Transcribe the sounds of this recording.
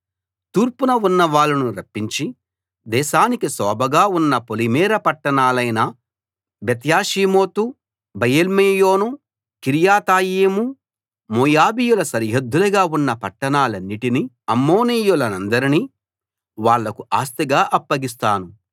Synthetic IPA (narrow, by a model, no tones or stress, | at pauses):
t̪uːɾpunɐunːɐʋaːɭːɐnuɾɐpːiɲt͡ʃi | d̪ɛːʃaːnikisɔːbʱɐɡaːunːɐpolimɛːɾɐpɐʈːɐɳaːlɐjnɐ | bet̪jaːʃiːmo̞ːt̪u | bɐjelmejo̞ːnu | kiɾjaːt̪aːjeːmu | moːjaːbijulɐsɐɾɦɐd̪ːulɐɡaːunːɐpɐʈːɐɳaːlɐnːiʈini | ɐmːo̞ːniːjulɐnɐnd̪ɐɾini | ʋaːɭːɐkuʔaːst̪iɡaːʔɐpːɐɡis̬t̪aːnu